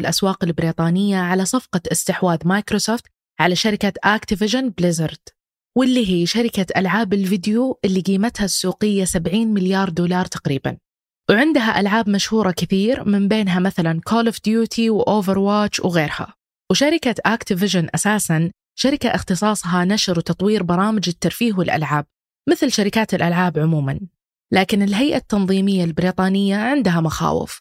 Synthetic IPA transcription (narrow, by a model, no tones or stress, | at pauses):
ɪlʔaswɑːqɪlbɪɾiːt̪ˤɑːnɪjːaʕalasˤɑfqɑʔɪst̪ɪħwaːðmaːjkɾosoːft̪ | ʕalaʃaɾɪkaʔaːkt̪ɪvɪʒanblɪzɪɾd̪̥ | wɪlːiːɦiːʃaɾɪkaʔa̰lʕaːbɪlvɪd̪juʔɪlːiɡiːmat̪hasːuːqɪjːasabʕiːnmɪljɑːɾˤd̪uːlɑːɾˤt̪ḁqɾiːba̰n | wʕɪnd̪ɦaʔa̰lʕaːbmaʃhuːɾˤɑkɪθiːɾmɪmbeːnɦamaθalankʰolɪfd̪juːt̪ʰiwʔoːvɪɾwaːt͡ʃːwɣeːɾha̰ | wʃaɾɪkaʔaːkt̪ɪvɪʒanʔasaːsan | ʃaɾɪkaʔɪxt̪ɨsˤɑːsˤɦɑnaʃɾwt̪ɑt̪ˤwiːɾbɑɾˤɑːmɪd͡ʒɪt̪ːɑɾˤfiːɣwɪlʔa̰lʕaːb̚ | mɪθlʃaɾɪkaːt̪ɪlʔalʕaːbʕʊmuːman | laːkɪnɪlɦajʔat̪ːɑnðˤiːmɪjːalbɪɾiːt̪ˤɑːnɪjːaʕɪnd̪ɦamaxa̰ːwɪ̰f